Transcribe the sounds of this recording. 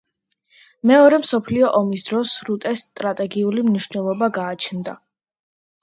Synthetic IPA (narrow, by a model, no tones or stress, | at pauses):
mɛɔɾɛmsɔpʰliɔʔɔmisd̪ɾɔsɾut̪ʼɛst̪ʼɾat̪ʼɛɡiulimniʃnɛlˠɔbaɡaːt͡ʃʰnd̪a